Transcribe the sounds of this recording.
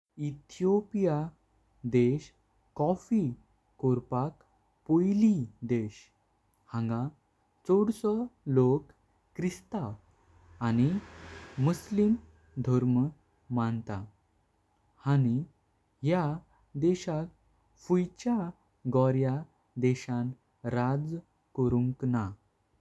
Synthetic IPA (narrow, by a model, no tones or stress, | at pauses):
it̪ʰijopija | d̪eɕ | kɔfi | koɾpak | pojlid̪eɕ | hãŋɡã | t͡sɔɽsɔlokː | ɾist̪aː | ñi | muslim | d̪ʱɔɾm | mãnt̪a | hani | ɦja | d̪ɛɕak̚ | fujt͡ɕja | ɡɔɾja | d̪ɛɕãn | ɾad͡z | kəɾũŋkna